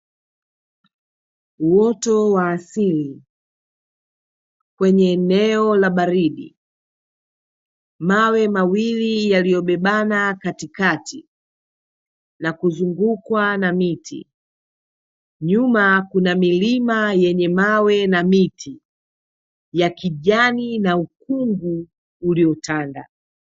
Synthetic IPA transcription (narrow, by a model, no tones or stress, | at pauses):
uwɔtɔwaːsili | kwɛɲɛːnɛɔlaɓaɾiɗḭ | mawɛmawilijalijɔɓɛɓanakatikati | nakuzuŋɡukwanamitʰḭ | ɲumakunamilimajɛɲɛmawɛnamitʰi | jakiʄaninauk̚uŋɡuː | liɔtanda̰